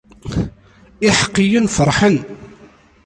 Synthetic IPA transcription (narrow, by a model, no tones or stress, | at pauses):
ɪħə̥qːijənfəɾˤħən